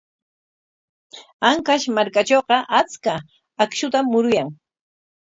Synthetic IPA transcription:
aŋkaʃmaɾkat͡ʃowqɑʔat͡ska | akʃʊt̪amːʊɾʊjaŋ

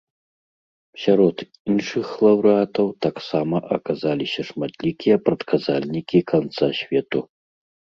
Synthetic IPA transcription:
sʲaɾɔt̪ | inʂɨxlˠɐwɾɨat̪ɐwt̪aksamɐʔɐkazalʲisʲɐʂmat̪lʲikʲijɐpɾɐt̪kazalʲnʲikʲikant̪sasʲvʲɛt̪u

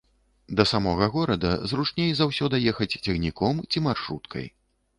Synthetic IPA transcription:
d̪ɐsamɔɣɐɣɔɾɐd̪ɐ̰zrut͡ʂnʲejzawsʲɔd̪ɐjɛxɐt͡sʲt͡sʲɛɣnʲikɔmt͡sʲimarʂɾut̪kʰɐ̰j

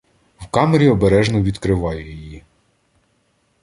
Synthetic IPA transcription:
wkɑmeɾʲiɔbeɾɛʒnɔʋʲid̪kɾɪʋɑjɛjɔjji

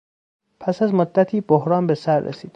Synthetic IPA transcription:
pʰæsæzmod̪ːæt̪ʰiːbohɾɒːnbe̞sæɾːḛsiːd̪̥

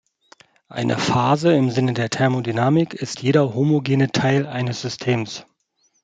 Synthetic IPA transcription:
ʔa̰ɪnʔə̰faːzəɪmzɪnədeːɐtʰɛɐmodynaːmɪkɪstjeːɾɐhomoɡeːnətʰaɪlʔaɪnəsz̥ʏstʰeːms

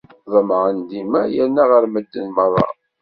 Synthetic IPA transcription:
ðˤəmʕənd̪imæjənːæʁəɾməd̪ːənmərˤːɑ̰

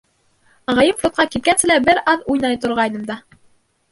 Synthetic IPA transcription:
ʁɑjɤmflʲˠot̪̚qɑkit̪̚kænsɘ̆læbɘɾɑðujnɑjt̪ŏɾʁɑjnɤmd̪ɑ

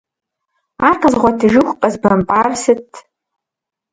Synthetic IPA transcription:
arqʰəzʁʷatʰiʒɨxʷqʼɐzbampʼarsɨtʰ

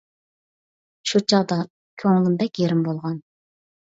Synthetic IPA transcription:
ʃut͡ʃʰɑd̪ɑ | kʲʰøŋlɪnd̪ɛkʲeɾɪmbolˠʁɑn

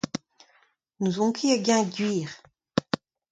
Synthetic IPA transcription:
nuzɔ̃kiaɡʲɛ̃dɥiːʁ

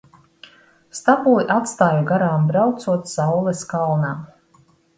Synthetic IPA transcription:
st̪abulˠiʔat̪st̪aːjuɡaɾaːmbɾawt̪suɔt̪sawlˠɛskalˠnam

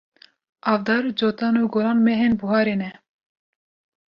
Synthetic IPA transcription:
ɑːvd̪ɑːɾd͡ʒoːt̪ɑːnuːɡoɾɑːnmɛɦenbuɦɑːɾeːnɛ

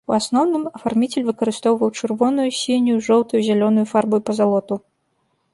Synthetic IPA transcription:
uasnɔwnɨmɐfarmʲit͡sʲɛlʲvɨkɐɾɨst̪ɔwvɐwt͡ʂɨrvɔnujusʲinʲjuʐɔwt̪ujuzʲalʲɔnujufarbujupɐzalˠɔt̪u

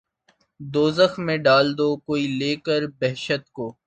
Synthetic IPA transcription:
d̪oːzəxmẽɖaːld̪oːkoːiːleːkəɾbɛɦʃət̪̚koː

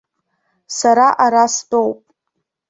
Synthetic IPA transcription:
saɾaʔaɾasdo̞wpʼ

